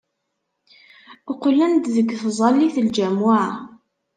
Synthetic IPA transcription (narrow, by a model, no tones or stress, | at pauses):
ʊqlːænd̪ðəɡːθzˤɑlːiθəld͡ʒæmʊʕa